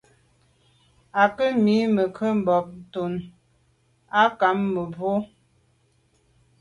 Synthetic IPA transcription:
a˨kə˦mi˨˦mə˨kʰə˦m̩˨bɔ˨p̚n̩˨to˨n | a˦ka˨˦mːə˨bo˦

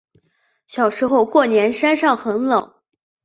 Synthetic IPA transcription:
ɕjɑ˨˩ʊʂɻ̩˧˥xo˥˧ʊkwɔ˥˩njɛ˧˥nʂa˥nʂɑ˥˩ŋxə˧˥nlɤ˨˩˦

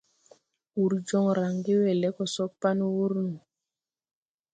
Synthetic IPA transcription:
u˨ɾd͡ʒɔ˦ŋɾa˨ŋɡe˦wɛ˨lɛ˦kɔ˨sɔ˦pa˦nwu˦ɾnu˨

